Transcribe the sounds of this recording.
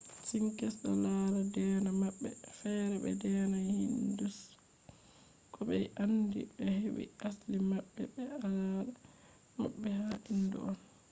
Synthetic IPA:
siŋkɛsɗa̰laɾadɛːnamaɓːɛfɛɾɛɓɛ̰dɛːnahindus | kʰɔɓɛjʔandḭɓɛhewḭaslimaɓːɛbɛalaɾa | ma̰ɓːɛhaʔindṵʔɔn

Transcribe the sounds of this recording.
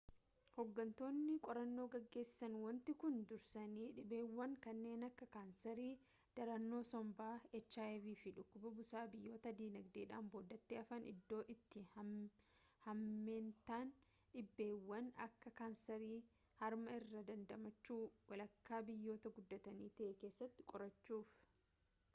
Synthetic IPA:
hɔɡːɐnt̪o̞ːnːɪkʼɔɾɐnːo̞ːɡɐɡːe̞ːsɪ̥sɐnwɐnt̪ɪkʊnd̪ʊɾsɐniːᶑɪbe̞ːwːɐŋkɐnːe̞ːnɐkːɐkaːnsɛɾiː | d̪̥ɐɾɐnːo̞ːsɔmbaːɛt͡ʃːaːɛviːfɪᶑʊkːʊbɐbʊsaːbɪjːo̞ːt̪ɐd̪iːnɐɡd̪eːᶑaːmboːd̪ɐt̪ːeɐfɐnɪ̰d̪ːo̞ːʔɪt̪ːɪ | hɐmːe̞ːnt̪aːn | ᶑɪbːe̞ːwːɐnɐ̰kːɐkaːnsɐɾiː | hɐɾmɐɪrːɐd̪ɐnd̪ɐmɐt͡ʃːuːwɐlɐkːaːbɪjːo̞ːt̪ɐɡʊd̪ːɐt̪ɐniːt̪ɐʔɛke̞ːsːɐt̪ːɪ̥kʼɔɾɐt͡ʃːuːf

